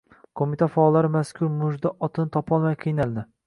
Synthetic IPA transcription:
kʰomit̪ʰafaːlːaɾɪmaskʰʊɾmʊʒd̪aʔɒt̪ʰɪnɪt̪ʰɒpʰɒlˠmajqʰɨjnald̪ɪ

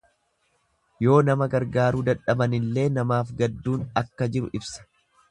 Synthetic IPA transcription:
jo̞ːnɐmɐɡɐɾɡaːɾuːd̪ɐᶑɐbɐnɪlːe̞ːnɐmaːfɡɐd̪ːuːnɐkːɐd͡ʒɪɾʊ̰ʔɪbsɐ̥

